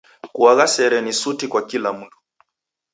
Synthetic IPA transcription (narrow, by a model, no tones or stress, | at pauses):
kuaɣasɛɾɛnisutikwakilamuntu̥